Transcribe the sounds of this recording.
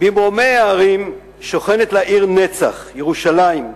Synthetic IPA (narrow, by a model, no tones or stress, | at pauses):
bimʁomejaaʁim | ʃoχenet̪laʔiʁnet͡sa̰χjeʁuʃalaim